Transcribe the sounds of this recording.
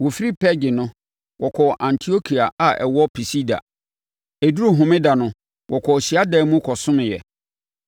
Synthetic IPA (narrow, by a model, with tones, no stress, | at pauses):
wɔ˨fi˦ɾi˦pʰɛ˦d͡ʑɪ˨nʊ̃˦ | wʔɔ˨kʰɔ˨ʔã˨ntʰi˨o˦kʰi˨a˨a˨ɛ̰˨wɔ˦pʰi˨si˦da̰˨ | e˨du˦ɾu˦ɦʊ̃˨mɪ̃˦da˨nʊ̃˦ | wʔɔ˨kʰɔ˨ɕi˨a˦dɛ˦mũ˦kʰɔ˨sʊ̃˦nʊ̃˨jɛ̰˨